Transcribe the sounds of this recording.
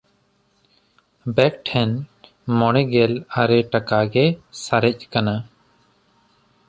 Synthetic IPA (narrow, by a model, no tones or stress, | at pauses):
bɛk̚ʈʰɛn | mɔɽ̃ɛɡɛlaɾɛʈakaɡɛsaɾɛc̚kana